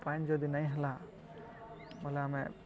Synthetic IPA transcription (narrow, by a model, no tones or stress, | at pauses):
pajnd͡ʒɔd̪inaj̃ɦɛla | mɔlaamɛ